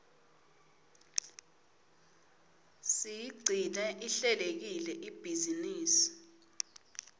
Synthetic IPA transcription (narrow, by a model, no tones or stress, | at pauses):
sijiɡ͡ǀʱinɛʔiɬɛlek̬ilɛʔib̥ʱiziniːsi̥